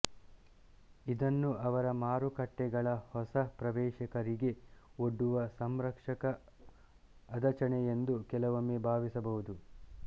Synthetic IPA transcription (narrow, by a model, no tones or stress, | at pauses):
id̪ɐnːuʔɐʋɐɾɐmaːɾukɐʈːɛɡɐɭɐhɔsɐpɾɐʋɛːʃɐkɐɾiɡe̞oɖːuʋɐsɐmɾɐkʂɐkɐ | d̪ɐt͡ʃɐɳeend̪ukɛlɐʋɐmeːbʱaːʋisɐbɐɦud̪u